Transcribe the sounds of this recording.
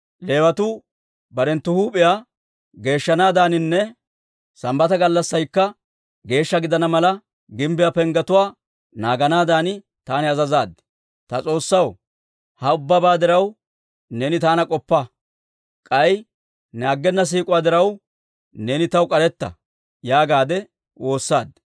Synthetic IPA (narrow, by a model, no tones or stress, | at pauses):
le̞ːwɐt̪uː | bɐɾɛnt̪ːʊhuːpʼɪjaː | ɡe̞ːʃːɐnaːd̪aːnɪnːɛ | sɐmbɐt̪ɐɡɐlːɐsːɐjkːɐ | ɡe̞ːʃːɐɡɪd̪ɐnɐmɐlɐ | ɡɪmbɪjapɛŋɡɐt̪ʊwaː | naːɡɐnaːd̪aːnɪ | t̪aːnɪɐzɐzaːd̪ | t̪ɐt͡sʼo̞ːsːɐw | hɐʊbːɐbaːd̪ɪɾɐw | neːnɪt̪aːnɐkʼɔpːɐ | kʼɐj | naːɡːɛnːɐs̬iːkʼʊwaːd̪ɪɾɐw | neːnɪt̪ɐwkʼɐɾɛt̪ːɐ̰ | jaːɡaːd̪ɛ | wʔo̞ːsːa̰ːd̪